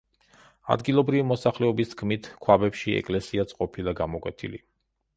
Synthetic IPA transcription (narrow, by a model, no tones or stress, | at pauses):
a̰d̪ɡilˠɔbɾivimɔsaχlɛɔbist̪kʰmit̪ʰkʰwabɛpʃiɛ̰kʼlɛsiasʼqʼɔpʰilˠaɡamɔkʼwɛt̪ʰḭli